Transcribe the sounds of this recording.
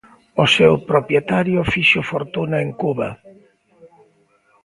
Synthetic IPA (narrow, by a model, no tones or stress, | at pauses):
ʊsewpɾopjet̪aɾjʊfiʃʊfoɾt̪unaeŋkuβa̰